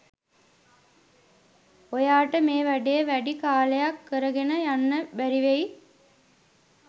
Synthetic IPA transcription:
ojaːʈəmeːʋæɖejəʋæɖikaːlejakːəɾəɡenəjanːəbæɾiʋej

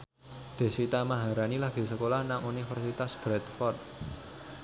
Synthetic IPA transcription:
d̪̥e̤sit̪amaɦaɾanilaɡ̥i̤səkolahnaŋunifɛrsit̪asb̥ɾɛt̪fɔrt̪̚

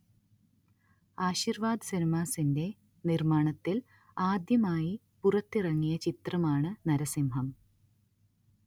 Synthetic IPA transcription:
aːɕiːrʋaːd̪ɨsɐnimaːsinde̞ | nirmaːɳɐt̪ːil | aːd̪jɐmaːji | purɐt̪ːirɐŋːijɐt͡ɕit̪rɐmaːɳɨnɐɾɐsimɦɐm

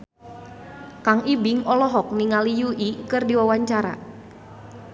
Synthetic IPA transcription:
kaŋibɪŋɔlɔɦɔk̚niŋalijuʔikɨrdiwawaɲt͡ʃaɾa̰

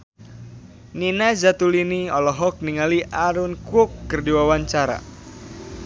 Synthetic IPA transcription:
ninazat̪uliniɔlɔɦɔk̚niŋaliʔaɾʊnkʊkːərdiwawaɲt͡ʃaɾa̰

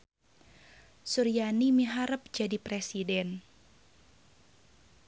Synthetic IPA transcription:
suɾijanimiɦaɾəp̚d͡ʒadipɾesidɛn

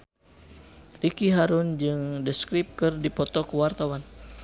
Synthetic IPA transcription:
rikiɦaɾʊnd͡ʒɨŋdəskɾip̚kɨrdipɔt̪ɔkəwart̪awan

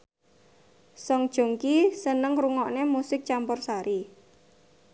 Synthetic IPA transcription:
sɔŋd̥ʒ̥o̤ŋkisənəŋɾuŋɔʔnemusɪk̚t͡ʃampɔrsaɾi

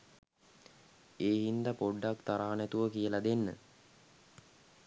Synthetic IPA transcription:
eːɦind̪apoɖːakt̪aɾaːnæt̪uʋəkijəlad̪enːə̰

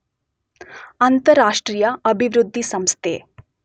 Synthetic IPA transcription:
ɐnt̪ɐɾaːʂʈɾiːjɐɐbʱiʋɾud̪ʱːisɐmst̪ʰeː

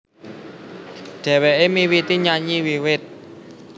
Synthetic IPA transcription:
ɖ̥ɛ̤weʔemiwit̪iɲaɲiwiwɪt̪̚

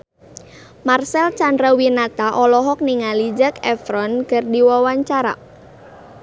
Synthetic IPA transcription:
marsɛlt͡ʃandɾawinat̪aʔɔlɔɦɔk̚niŋalid͡ʒakɛfɾɔnkərdiwawaɲt͡ʃaɾa̰

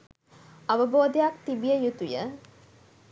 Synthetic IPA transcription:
aʋəboːd̪ejak̚t̪ibijəjut̪ujə

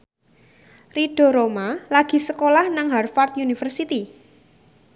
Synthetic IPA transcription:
riɖ̥o̤ɾomalaɡ̥i̤səkolahnaŋɦarfart̪junifərsit̪i

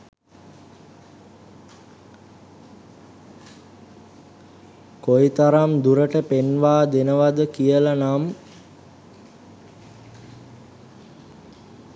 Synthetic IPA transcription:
koit̪aɾamd̪uɾəʈəpenʋaːd̪enəʋad̪əkijəlanam

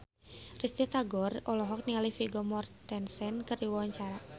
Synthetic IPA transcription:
rist̪it̪aɡɔrɔlɔɦɔk̚nialifiɡɔmɔrt̪ɛnsɛnkərdiwɔwaɲt͡ʃaɾa

